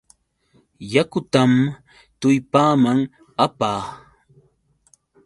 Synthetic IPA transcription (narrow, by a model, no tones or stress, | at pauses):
jakʊt̪am | t̪ʊjpaːmaŋ | apaː